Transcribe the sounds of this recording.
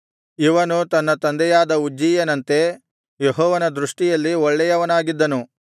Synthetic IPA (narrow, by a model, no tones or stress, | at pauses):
iʋɐnut̪ɐnːɐt̪ɐnd̪ɛjaːd̪ɐud͡ʒːiːjɐnɐnt̪e̞ | jeɦɔːʋɐnɐd̪ɾuʂʈijɐlːiɔɭːɛjɐʋɐnaːɡid̪ːɐnu